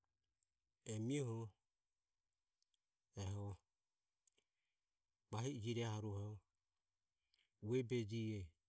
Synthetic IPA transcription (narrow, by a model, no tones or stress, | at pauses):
ɛmiɔhɔ | ɛɦɔ | baɦiid͡ʒiɾɛaɦaɾuɦɔ | wɛbɛd͡ʒiɛ